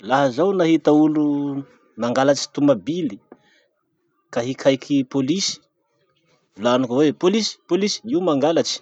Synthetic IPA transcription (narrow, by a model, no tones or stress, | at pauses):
laɦazawnaɦit̪aulu | maŋɡalat͡ʃi̥t̪umabili | kaɦikʰajkʰipolisi̥ | lanikwepolisi̥polisi̥iwmaŋɡalat͡ʃi̥